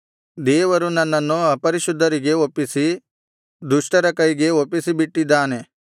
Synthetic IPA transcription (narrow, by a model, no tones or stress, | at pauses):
d̪eːʋɐɾunɐnːɐnːuɐpɐɾiʃud̪ʱːɐɾiɡeopːisi | d̪uʃʈɐɾɐkɐjɡeopːisibiʈːid̪aːne